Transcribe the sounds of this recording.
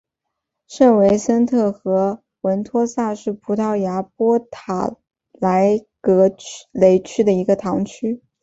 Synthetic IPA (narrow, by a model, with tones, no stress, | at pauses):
ʂə˥˩nwe˧˥ɪsə˥nt̪ʰɤ˥˩xɤ˧˥ | wə˧˥nt̪ʰwɔ˥sa˥˧ʂɻ̩˥˩pʰu˧˥t̪ʰɑ˥˩ʊja˧˥pwɔ˥t̪ʰa̰˨˩ | la˧˥ɪkɤ˧˥le˧˥ɪt͡ɕʰy˥d̪ə˨i˧˥ɡə˧t̪ʰɑ˧˥ŋt͡ɕʰy˥